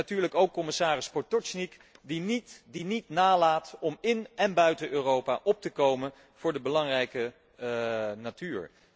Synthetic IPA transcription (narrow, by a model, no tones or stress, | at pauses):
atyːɹləkowkːɔmɪsaːrɪspɔtɔsnik | dinidinitnaːlaːtɔmɪnɛnbœɥtəʔøːrowpa̰ːʔɔp̚təkowmən | v̥ʊːɹdəbəlɑŋrɛjkə | natyːɹ